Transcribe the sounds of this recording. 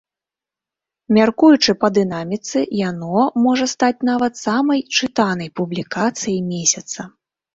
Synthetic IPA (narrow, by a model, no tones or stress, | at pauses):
mʲarkujut͡ʂɨpɐd̪ɨnamʲit̪sɨjanɔmɔʐɐst̪at͡sʲnavɐt̪samɐjt͡ʂɨt̪anɐjpublʲikat̪sɨjɐjmʲesʲɐt̪sɐ